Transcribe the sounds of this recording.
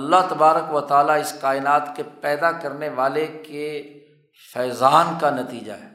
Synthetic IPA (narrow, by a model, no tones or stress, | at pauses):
ɐlːat̪ɐbaːɾəkʋət̪aːlaɪskaːɪnaːt̪kepɛːd̪akɐɾneʋaːleke | fɛːzaːnkanɐt̪iːd͡ʒa̰ɦɛː